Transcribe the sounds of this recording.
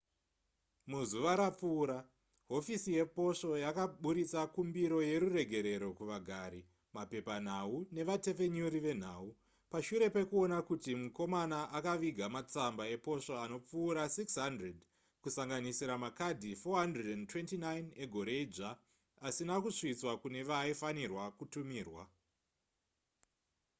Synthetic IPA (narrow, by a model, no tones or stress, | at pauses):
muzuʋaɾap͡fuːɾa | ɦo̞fisije̞po̞ʂo̞jakaɓuɾit͡sakumbiɾo̞je̞ɾure̞ɡʱe̞ɾe̞ɾo̞kuʋaɡʱaːɾi | mape̞pan̤aune̞ʋate̞fe̞ɲuɾiʋe̞n̤a̰ːu | paʃuɾe̞pe̞kuonakutimuko̞manaʔakaʋiɡʱamat͡sambae̞po̞ʂaano̞p͡fuːɾasiksɦandred | kusaŋɡanisiɾamakadʱifoɦandredentwe̞ntinajne̞ɡʱo̞ɾe̞id͡ʒaː | sinakuʂit͡swakune̞ʋaifanirwakutumiːrwa